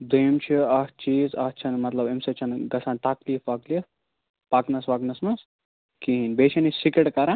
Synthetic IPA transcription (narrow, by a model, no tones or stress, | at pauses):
d̪omt͡ʃʰiɐht͡ʃiːzɐht͡ʃʰɐnmɐt̪lɐbemset͡ʃʰɐnɡɐsaːnt̪akliːfʋaklif | paknɐsʋaknɐsmɐs | kiɦinbet͡ʃʰenisikeʈkɐɾã